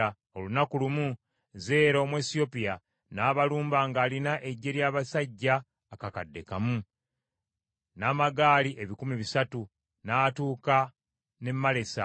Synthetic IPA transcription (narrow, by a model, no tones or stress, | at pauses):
o̞lunakulumu | ze̞ːɾo̞ːmwe̞ːsio̞pija | naːβaluːmbaːŋɡaːlinaʔe̞ɟːe̞ɾjaːβasaɟːaː | kakadːe̞kamu | naːmaɡaːliʔe̞βikumiβisatu | naːtuːka | ne̞mːale̞sa̰